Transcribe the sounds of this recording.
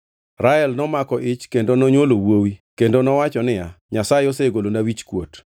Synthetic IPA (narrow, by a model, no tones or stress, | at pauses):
ɾaɛlnɔmakɔʔɪt͡ʃkendonɔɲwolowowikendonɔwat͡ʃɔnɪjaɲasaɪoseɡolonawit͡ʃkwo̰t